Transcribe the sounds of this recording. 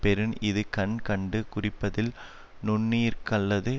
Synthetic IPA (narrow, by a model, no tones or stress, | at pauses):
pɛɾɯnɪðɯkɐɳkɐɳɖɯkʊrɪpːɐðɪl | nʊɳːiːɾkɐlːɐðɯ